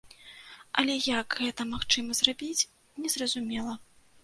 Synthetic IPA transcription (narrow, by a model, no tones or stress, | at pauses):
ɐ̰lʲɛjɐɡɣɛt̪ɐmaxt͡ʂɨmɐzrabʲit͡sʲ | nʲɛzrɐzumʲɛlˠɐ